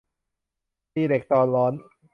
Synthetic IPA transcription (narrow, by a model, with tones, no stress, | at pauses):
iː˧˩de˨˩k̚t̪ɔː˧nɾɔː˦˥n